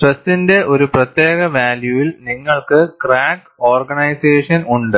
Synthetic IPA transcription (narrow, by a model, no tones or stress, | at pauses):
ʈresːinde̞ʔo̞ɾuprɐt̪jeːɣɐʋaːljuʋilniŋːɐɭkɨkraːk | o̞ːrɡɐɳɐjseːʂɐnuɳɖɨ